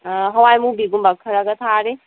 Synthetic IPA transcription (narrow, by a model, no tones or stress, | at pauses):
ɦɔwajmubiɡumbak̚kʰːəɾaɡət̪ʰaɾe